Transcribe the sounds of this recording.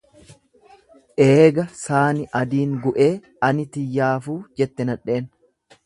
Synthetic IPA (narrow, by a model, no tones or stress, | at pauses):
ʔeːɡɐsaːnɪʔɐd̪iːŋɡʊʔe̞ː | ɐnɪt̪ɪjːaːfuːd͡ʒɛt̪ːɛnɐᶑe̞ːn